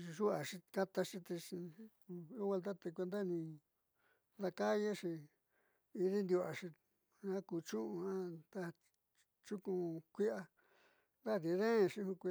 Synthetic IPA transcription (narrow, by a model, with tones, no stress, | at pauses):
i˧ʒu˦a˨ʂi˧ka˦t̪a˧ʂĩ˧t̪e˧i˧ | u˦we˧lt̪a˦t̪e˧kʷe˧nd̪a˦˨nĩ˧ | ða˧ka˦je˦ʂi˧ | i˧ði˦nd̪ju˧a˨ʂi˧ | ã˦ku˧t͡ʃũ˦ʔũ˧ã˦d̪a˦ | t͡ʃu˦kũ˧kʷi˦a˧ | nd̪a˦˨ði˧ðẽ˦˧ʃi˦hũ˧kʷi˧